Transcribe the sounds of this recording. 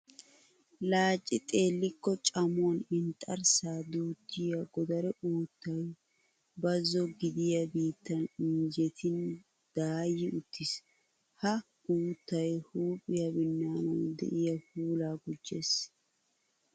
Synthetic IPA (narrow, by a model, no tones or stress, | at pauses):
laːt͡ʃʼːɪt̪ʼe̞ːlːɪkːɔt͡ʃʼɐmonɪnt̪ʼɐɾsaːd̪uːt̪ːɪjɐɡɔd̪ɐɾɛʔuːt̪ːɐj | bɐzːɔɡɪd̪ɪjɐbiːt̪ːɐniːd͡ʒɛt̪ʰɪn | d̪̥aːjɪʊt̪ːɪs | hɐ | uːt̪ːɐjhuːpʼːɪjɐbɪnːaːnɐnd̪ɛ̰ʔɪjɐfuːlaːɡʊd͡ʒːḛːs